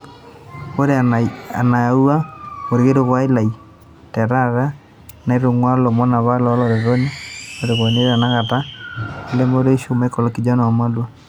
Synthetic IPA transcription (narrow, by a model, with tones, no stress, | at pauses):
o˦ɾe˦a˨na˨a˨u˦a˦o˨ɾe˨ɣe˦ɾo˨ɣwa˦e˦la˨i˨ | tɛ˨ɾa˦ɾa˦ | na˨e˦ɾo˨ŋwa˦lo˨mo˦na˨βa˦lɔ˦lɔ˨ɾe˨ɾo˦ni˦o˨ɾe˨ɣo˨ne˦ɾa˨na˦ɣa˨ta˦e˨le˦mo˦ɾe˦ʃo˦ma˦i˦ko˨lo˨ki˨d͡ʒa˦na˨ma˦lwa